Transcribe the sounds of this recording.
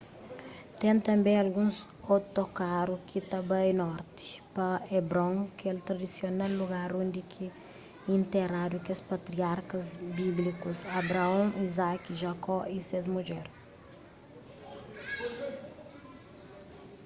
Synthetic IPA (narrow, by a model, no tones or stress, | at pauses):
t̪ẽnt̪ɐ̃mbẽj̃ɐlɡũz | ot̪okaɾukʰɪt̪ɐbɐinɔɾt̪ɪ̥pɐebɾõŋkelt̪ɾɐd̪isjonalːuɡaɾõnd̪ɪkʰɪ | ĩnt̪eɾaɾukespɐt̪ɾiaɾkɐzbiblikusɐbɾaɐ̃ŋizakiʒakɔisezmuʒɛɾ